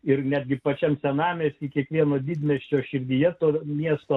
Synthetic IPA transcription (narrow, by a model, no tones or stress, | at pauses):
ɪɾnʲæːd̪ʲɡʲɪpɐt͡ʃʲɛmsʲɛnɑːmʲeːsʲikʲiɛkʋʲiɛnoːd̪ʲiːd̪ʲmʲɛʃʲt͡ʃʲoːʃʲɪɾʲd̪ʲijɛt̪oːmʲiɛst̪oː